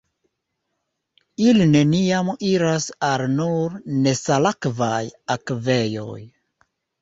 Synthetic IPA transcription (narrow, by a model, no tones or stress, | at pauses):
iline̞niamiɾasalnuɾne̞salakvajakve̞jo̞̰j